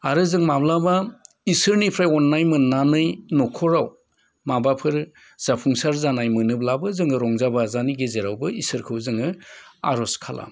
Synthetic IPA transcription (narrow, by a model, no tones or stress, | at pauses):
aɾɯzɯŋmablaba | isɯɾnipʰɾajɔnːajmɯnːanɯjnɔkʰɔɾaw | mabapʰɯɾ | z̥apʰuŋsaɾzanajmɯnɯblabɯzɯŋɯɾɔŋzabazaniɡezeɾawbɯisɯɾkʰɯwzɯŋɯa̰ɾɔskʰalʔa̰